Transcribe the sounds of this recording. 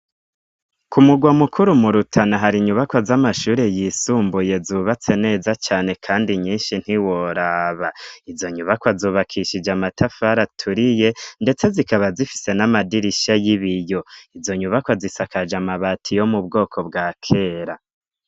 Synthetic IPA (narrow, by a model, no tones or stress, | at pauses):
kumuɡwamukʰuɾumuɾutʰanaɦaɾiɲuβakwazamaʃuːɾe̞jisuːmbuje̞zuːβat͡se̞ne̞ːzat͡ʃaːne̞kʰaːndiɲiːnʃin̥hiwo̞ɾaβaizo̞ɲuβakwazuːβakʰiʃid͡ʒamatʰafaɾatʰuɾije̞nde̞t͡se̞zikaβazifi̥se̞namadiɾiʃajiβijo̞izo̞ɲuβakwazisakad͡ʒamaβatʰijo̞mub̚ɡo̞ːkʰo̞bɡaːkʰe̞ːɾa